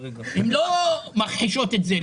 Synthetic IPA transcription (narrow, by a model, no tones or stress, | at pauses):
emlomaχħiʃo̞t̪etze